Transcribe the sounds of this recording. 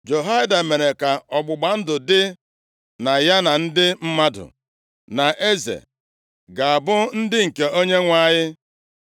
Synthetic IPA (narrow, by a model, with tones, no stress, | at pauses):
d͡ʒo˨ɦa˦ɪ˦da˨me˨ɾe˨ka˨ɔ˨ɡ͡bʊ˨ɡ͡ba˨n̩˦dʊ˨dɪ˦ | na˨ja˦na˨n̩˦dɪ˦m̩˦ma˦dʊ̰˨ | na˨ʔe˦zḛ˨ | ɡa˨a˨bʊ˦n̩˦dɪ˦ŋ̩˨ke˨o˦ɲe˦ŋʷa˦˨ɲɪ˦